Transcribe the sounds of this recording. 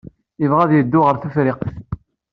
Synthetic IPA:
ɪvʁæðjəd̪ːʊʁəɾθufɾɪqθ

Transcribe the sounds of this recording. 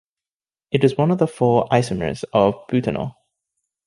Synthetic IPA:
ɨɾɨzwʌ̃nʌvðəfɔːʔaɪsəmə̰˞zʌvb̥ʉtʰə̰nə̰

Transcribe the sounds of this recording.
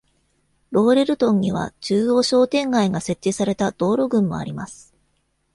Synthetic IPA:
ɾo̞ːɾe̞ɾɯ̟t̪õ̞ɲ̟ːiβ̞a̰t͡ɕɨːo̞ːɕo̞ːt̪ẽ̞ŋɡaiɡase̞t̪ːisaɾe̞t̪ad̪̥o̞ːɾo̞ɡɯ̟̃mːo̞̰a̰ɾʲimasɨ̥

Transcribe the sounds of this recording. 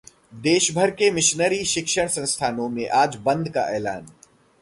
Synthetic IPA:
d̪eːʃbʱəɾkemɪʃnəɾiʃɪkʃəɽ̃sɐ̃ñst̪ʰaːnõmẽʔaːd͡ʒbɐ̃nd̪ka̰ʔɛːlaːn

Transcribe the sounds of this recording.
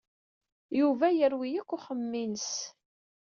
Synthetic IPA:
juvæjəɾwijækʷːʊχəmːins

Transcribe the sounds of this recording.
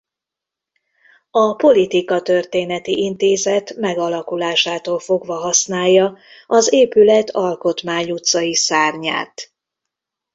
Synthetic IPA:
ɒpo̞lit̪ikɒt̪ørt̪eːnɛt̪iʔint̪eːzɛt̪mɛɡɒlɒkulaːʃaːt̪oːlfo̞ɡʋɒɦɒsnaːjːɒɒzeːpylɛt̪ʰɒlko̞t̪maːɲut̪sɒjisaːrɲa̰ːt̪

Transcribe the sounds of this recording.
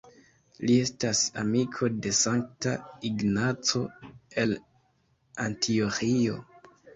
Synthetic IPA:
lie̞stasa̰mikʰo̞de̞saŋk̚taiɡnat͡so̞e̞l | antʰioxio̞

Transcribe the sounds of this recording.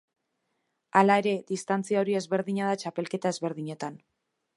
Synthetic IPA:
alae̞ɾe̞ðist̪ant͡siao̞ɾie̞zβe̞ɾðiɲaðat͡ʃape̞lke̞t̪ae̞zβe̞ɾðiɲe̞t̪an

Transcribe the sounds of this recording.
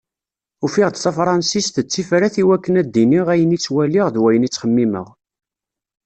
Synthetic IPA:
ufiʁd̪θæfɾˤɑnsist̪t͡sːifɾæθiwækːənæd̪ːiniʁæjənit͡sːwæliʁðwæjənit͡sːχəmːimə̰ʁ

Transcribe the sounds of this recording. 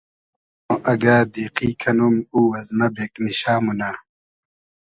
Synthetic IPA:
õʔɐɡaːd̪iːqiːkʰɐnumuːwɐzmɐbeːkniɕaːmunaː

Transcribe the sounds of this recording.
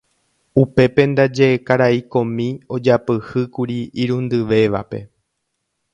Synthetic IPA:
upe̞pẽ̞nd̪ad͡ʒe̞ːkaɾaikõ̞mĩo̞d͡ʒapɨhɨkuɾiiɾũnd̪ɨʋe̞ʋa̰pe̞̰

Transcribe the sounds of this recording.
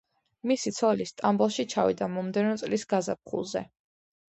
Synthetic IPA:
misit̪sʰɔlist̪ʼambɔlˠʃit͡ʃʰavḭd̪amɔmd̪ɛnɔt̪sʼlisɡazap̚χṵlˠzɛ̰

